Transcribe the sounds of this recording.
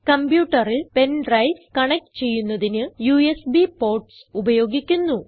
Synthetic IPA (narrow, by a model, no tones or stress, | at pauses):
kɐmbjuːʈːɐrilpe̞nɖrɐjskɐɳɐk̚ʈɨ̥t͡ɕe̞jːunːɐðinɨjuːesbipo̞ːrʈsubɐjo̞ːɡikʲːunːu